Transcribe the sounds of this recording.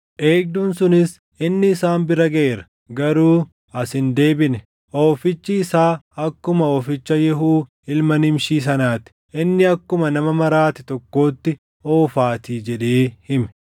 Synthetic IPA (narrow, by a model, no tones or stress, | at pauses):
ʔe̞ːɡ̚d̪uːnsʊnɪs | ɪnːɪːsaːnbɪɾɐɡɐʔeːɾɐ̥ | ɡɐɾuː | ɐsɪnd̪e̞ːbɪnɛ | ʔo̞ːfɪt͡ʃːɪɪsaːɐkːʊmɐoːfɪt͡ʃːɐjɛɦuː | ɪlmɐnɪmʃiːs̬ɐnaːt̪ɪ̥ʔɪnːɪɐkːʊmɐnɐmɐmɐɾaːt̪ɪt̪ɔkːo̞ːt̪ːɪ | oːfaːt̪iːd͡ʒɛᶑeːhɪmɛ̥